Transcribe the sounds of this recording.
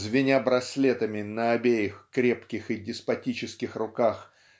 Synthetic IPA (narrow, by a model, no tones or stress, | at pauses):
zvʲɪnʲabɾɐsʲlʲet̪əmʲɪnəɐbʲejɪxkɾʲe̞pkʲɪxɨdʲɪspɐtʲit͡ɕɪskʲɪxrʊkax